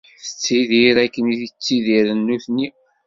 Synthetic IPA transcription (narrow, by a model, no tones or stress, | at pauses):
θə̥t͡sːiðiɾækːəniðit͡sːiðiɾənːuθni